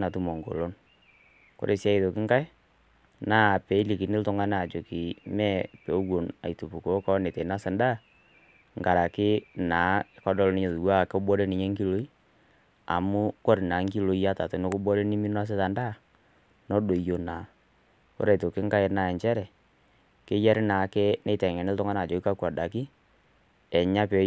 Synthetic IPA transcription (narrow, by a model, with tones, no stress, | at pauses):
na˨tu˦mɔ˨ŋɡo̰˨lo˦n | ko̰˦ɾe˨sa˦i˨to˨kɪ˦ŋɡa˦ɪ˦ | naː˦˨pɛ˨˦i˦li˨kɪ˨nɪ˦ltʊ˦ŋa˦nː˦˨t͡ʃo˨kɪ˨mɛ˦˨pe˨u˦wo˨na̰˨i˨to˨pu˨ko˨˦kɔ˦ne˨tɛ˨˦na˦sɪ˨nda˦˨ | ŋɡa˨ɾa˨kɪ˦naː˨˦kɔ˦dɔ˦lnɪ˦ɲe˨ðu˨wa˦˨kɔ˦bɔ˦ɾe˦nɪ˨ɲe˦ŋɡi˦lo˦i˦ | a̰˨mʊ˦kɔ˦ɾɪ˨naː˨˦ŋki˦lo˨˦i˦ja˦ta˨to˨˦no˦kʊ˦bɔ˦ɾe˦nɪ˦mi˦n˦a˦s̬ɪ˦ta˨nda˦˨ | nɔ˦do˨jo˨na˨ | ʊ̰˦ɾɛ˨to˨kɪ˦ŋɡa˦ɪ˨˦na˨ɛ˨ɲt͡ʃɛ˦ɾɛ˨ | kɪ˦jɛ˦ɾɪ˦naː˨˦kɛ˦ne˦jtɛ˨ŋɛ˨nɪ˦ltʊ˦ŋa˦na˨d͡ʒo˨kɪ˦ka˦kwɔ˨da˨kɪ˦ | ɛ˨ɲa˦pɛ˨